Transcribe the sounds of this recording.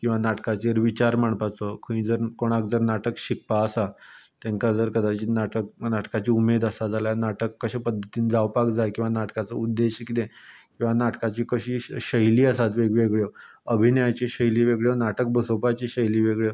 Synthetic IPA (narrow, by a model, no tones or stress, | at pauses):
kĩw̃ʋanaʈkat͡ɕeɾʋit͡ɕaɾmaɳ̃pat͡sɔkʰəĩːd͡zəɾkoɽ̃akd͡zəɾnaʈəkɕik̚paəsat̪ɛ̃ŋkad͡zəɾkəd̪at͡ɕiːnaʈək̚naʈkat͡ɕiːumed̪asad͡zaljanaʈəkːəɕapəd̪ʱːət̪iːnd͡zawpakd͡zajkĩw̃ʋanaʈkat͡səud̪ːeɕikid̪ẽkĩw̃ʋanaʈkat͡ɕiːkəɕiːɕəjliːəsat̪ʋeɡʋeɡɭjo | əbʱinəjat͡ɕeɕəjliːʋeɡɭjenaʈək̚bəsopat͡ɕeɕəjliːʋeɡɭje